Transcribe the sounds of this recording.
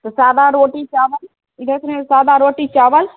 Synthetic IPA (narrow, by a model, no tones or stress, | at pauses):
t̪ɐsaːd̪aɾoːʈit͡ʃaːʋəl | id̪ɐkɾẽsaːd̪aɾoːʈit͡ʃaːʋəl